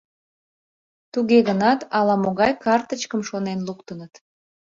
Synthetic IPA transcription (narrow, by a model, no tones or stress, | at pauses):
t̪uɣeɣənɑt̪ɑlɑmoɣɑjkɑrt̪ət͡ɕkəmʃonenlukt̪ənət̪